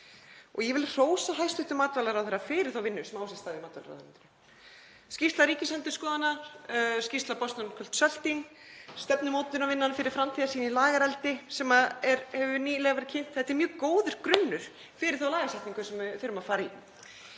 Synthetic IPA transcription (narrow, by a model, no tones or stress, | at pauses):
ɔɣjɛvɪlr̥oːwsaɦajst̪ʏht̪ʏmaːt̪valaɾawθɛrːafɪɾɪ̥ɾ̥θowvɪnːʏsmawsɛst̪aːðɪmaːt̪va̰lɾa̰θɛnt̪ʏn | scist̪laɾiːcɪsɛnt̪ʏskɔːðanascist̪lapɔst̪ankʰœl̥t̪sœl̥t̪in | st̪ɛpnʏmowt̪ʏnavɪnːanafɪɾɪɾ̥fɾamt̪ʰiðasiːnilaːɣaɾɛlt̪ɪsɛmaðɛɾhɛvʏniːlɛɣavɛɾɪ̥cʰɪn̥t̪θɛt̪ːɛɾmjœːkoːwðʏɾ̥kɾʏnːʏɾ̥ | fɪɾɪɾ̥θowlaːɣasɛjht̪niŋkʏsɛmvɪθɪɾʏmaðfaːɾai